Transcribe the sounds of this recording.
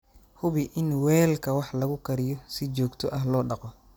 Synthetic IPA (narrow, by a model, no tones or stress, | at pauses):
hʊβɪʔɪnwɛːlkʰɐwɑħlɐɣʊkʰɐɾɪjɔsɪt͡ʃɔːɡt̪ʰɔʔɐɦlɔːɖɑqɔ